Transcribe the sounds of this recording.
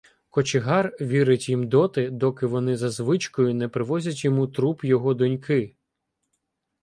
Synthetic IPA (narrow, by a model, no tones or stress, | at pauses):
kɔt͡ʃɪɦɑrʋʲiɾɪtʲjimd̪ɔt̪ɪd̪ɔkɪʋɔnɪzɐzʋɪt͡ʃkɔjʊnɛpɾɪʋɔzʲɐtʲjɔmut̪ɾupjɔɦɔd̪ɔnʲkɪ